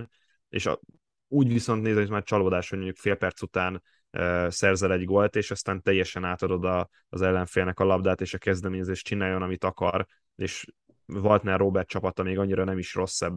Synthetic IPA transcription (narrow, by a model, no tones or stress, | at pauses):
ḛʃ | uːɟʋiso̞nt̪neːzɛmizmaːɾt͡ʃɒloːd̪aːʃho̞ɟmo̞ɲɟukfeːlpɛrt̪sut̪aːn | øːsɛrzɛlɛɟɡo̞lt̪eːʃɒst̪aːnt̪ɛjːɛʃɛnaːt̪ɒd̪o̞d̪ɒː | zɛlːɛɱfeːlnɛkɒlɒbd̪aːt̪eːʃɒkɛzd̪ɛmeːɲɛzeːʃt͡ʃinaːjːonɒmit̪ɒkɒɾ | eːʃ | vɒlt̪nɛroːbɛrt̪̚t͡ʃɒpɒt̪ɒmeːɡɒɲːiɾɒnɛmiʃro̞sːɛbː